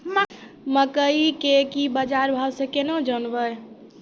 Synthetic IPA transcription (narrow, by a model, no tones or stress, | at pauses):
m | məkəikekibəd͡ʒaɾbʱawsẽkenəd͡ʒənbəj